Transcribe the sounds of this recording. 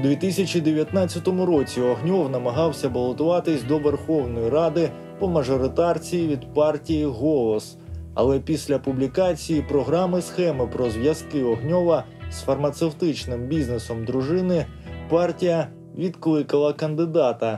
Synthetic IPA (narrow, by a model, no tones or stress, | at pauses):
d̪ʋʲit̪ɪsʲɐt͡ʃid̪eʋʲjɐt̪nat͡sʲːɐt̪ɔmʊɾɔt͡sʲiɔɦnʲɔwnɐmɐɦɑwsʲɐbɐlˠɔt̪ʊʋɑt̪ɪsʲd̪ɔʋerxɔwnɔjiɾɑd̪ɪ | pɔmɐʒɔɾɪt̪ɑrt͡sʲijiʋʲid̪pɑrtʲijiɦɔlˠɔs | ɐ̰lˠɛpʲisʲlʲɐpublʲikɑt͡sʲijipɾɔɦɾɑmɪsxɛmɪpɾɔzʋjɐskɪɔɦnʲɔʋɐ | sfɐrmɐt̪sewt̪ɪt͡ʃnɪmbʲiznesɔmd̪ɾʊʒɪnɪ | pɑrtʲijɐ | ʋʲid̪klˠɪkɐlˠɐkɐnd̪ɪd̪ɑt̪ɐ